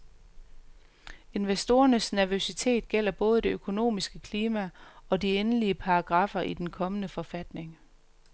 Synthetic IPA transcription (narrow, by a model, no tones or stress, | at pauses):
e̝nʋesd̥o̝ːɐnəsnæɐʋøsit͡sʰe̝̰ːd̥ɡ̥el̰ɐb̥ɔ̽ːð̞̩ˠəd̥e̝økʰo̝no̝̰ːmisɡ̥əkʰliːmæɒ̽dienəliəpʰɑ̈ːɡ̥ʁɑ̈fɐʔid̥enkʰɒ̽mənəfɒ̽fæd̥ne̝ŋ